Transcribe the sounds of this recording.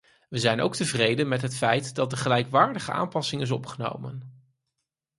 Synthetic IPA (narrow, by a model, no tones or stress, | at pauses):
ʋəzɛjno̰wk̚təvrejdənmɛtɦətfɛjtdɑt̚dəχəlɛjkʋaːɹdəχəʔa̰ːmpɑsɪŋɪs̬ɔpχəno̰wmən